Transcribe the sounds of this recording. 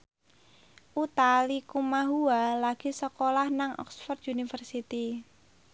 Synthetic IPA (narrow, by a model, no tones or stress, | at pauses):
ʔut̪alikumaɦualaɡ̥isəkolahnaŋʔɔ̰ksfɔrt̪unifərsit̪i